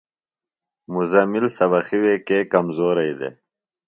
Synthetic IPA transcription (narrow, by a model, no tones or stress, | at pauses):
muzɐmilsɐwɐxiwekeːkɐmzoːɾɐjd̪ḛ